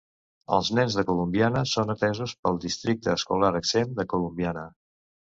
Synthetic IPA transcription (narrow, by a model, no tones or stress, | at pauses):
ə̰lˠznɛnzðəkulumbianəsonət̪ɛzuspəlˠd̪ist̪ɾik̚t̪əːskulaɾəksend̪əkulumbjanə